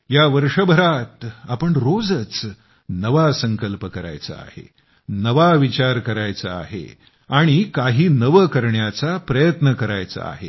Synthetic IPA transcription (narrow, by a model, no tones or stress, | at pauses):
jaʋəɾʂəbʱəɾat̪apəɳɾod͡zət͡s | nəʋasəŋkəlpəkəɾa̰jt͡sa̰ːhḛ | nəʋaʋit͡ɕaɾkəɾajt͡sa̰ːɦḛ | aɽ̃ikaɦiːnəʋəkəɾɳjat͡sapɾəjət̪nəkəɾajt͡sa̰a̰ɦḛ